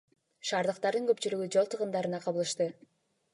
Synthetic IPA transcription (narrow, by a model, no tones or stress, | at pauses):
ʃɑːɾd̪ɯqt̪ɑɾd̪ɯŋɡøpt͡ʃylyɡyd͡ʒo̞lˠt̪ʰɯʁɯnd̪ɑɾɯnɑqʰɑβɯlˠɯʃt̪ɯ